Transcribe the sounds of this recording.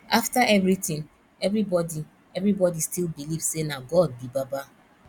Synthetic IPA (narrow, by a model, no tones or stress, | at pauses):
aftaʔɛvɹitĩn | ɛvɾibɔdi | ɛvɾibɔdistilbilivssenaɡɔd̚bibaba